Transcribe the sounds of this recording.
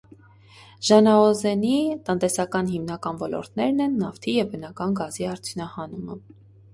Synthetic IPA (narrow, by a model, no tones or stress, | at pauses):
ʒ̥ɑnɑɔzɛnit̪ənt̪ɛsɑkɑn̪ɦimnɑkɑnvɔlɔ̰ɾt̪nɛɾnɛnːɑft̪ʰijɛvbənɑkɑnɡɑziɑɾt͡sʰjunɑhɑnumə̰